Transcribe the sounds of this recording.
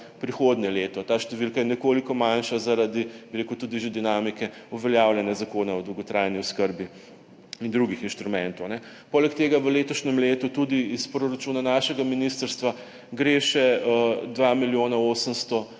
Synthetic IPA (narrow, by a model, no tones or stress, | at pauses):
pɾixoːd̪njɛleːt̪ɔt̪aːʃt̪ɛʋilkajɛnɛkoːlikɔmanʃazaɾad̪ibiɾekut̪ud̪iʒed̪inaːmikɛuʋɛljaːwlʲjɛnjazakoːnaɔd̪ɐwɡɔt̪ɾajniɔskəɾbi | ind̪ɾuɡixinʃt̪ɾumɛnt̪ɔwnɛ | poːlɛkt̪eːɡaʋəleːt̪ɔʃnɛmleːt̪ut̪ud̪iːspɾoɾat͡ʃuːnanaʃɛɡaminist̪əɾst̪ʋa | ɡɾeʃɛəd̪ʋamiljoːnaoːsəmst̪ɔ